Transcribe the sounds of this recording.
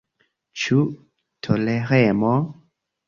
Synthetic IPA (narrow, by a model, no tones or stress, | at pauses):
t͡ʃu | tʰoleɾemo